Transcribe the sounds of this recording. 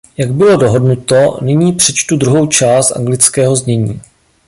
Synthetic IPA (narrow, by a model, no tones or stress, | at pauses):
jaɡ̚bɪlo̞do̞ɦo̞dnut̪o̞nɪɲiːpr̝̥ɛt͡ʃt̪udɾuɦo̞wt͡ʃaːst̪ʔa̰ŋɡlɪt͡skɛːɦo̞zɲɛɲiː